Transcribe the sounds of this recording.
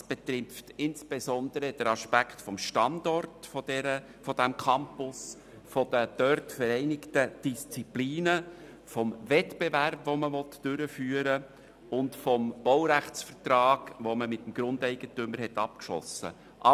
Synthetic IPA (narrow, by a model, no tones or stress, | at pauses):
sb̥et̪ɾɪftɪnsb̥ezɔndəɾəd̥əɾɑʃpækχtfɔmʃtɑndɔrtfɔdɛɾə | fɔdæmkʰɑmpʊs | fɔd̥əd̥œrtfəɾɛɪnɪktəd̥ist͡sipliːnə | fɔmvɛtb̥eværpvoməvɔtːʏɾəfyːəɾə | ʊntfɔmb̥ɔwɾæχt͡sfəɾtɾɑːɡ̥ʋoməmɪtːəm̩ɡ̥ɾʊndɛɪɡ̥ətʏməɾhɛtɑp̚kʃlɔ̰sə̰ | ʔɑ